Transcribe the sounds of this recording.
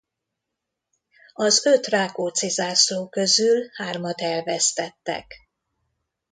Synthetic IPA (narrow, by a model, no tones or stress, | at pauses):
ɒzø̞t̪raːkoːt̪sizaːsloːkø̞zylhaːrmɒt̪ɛlvɛst̪ɛt̪ːɛ̰k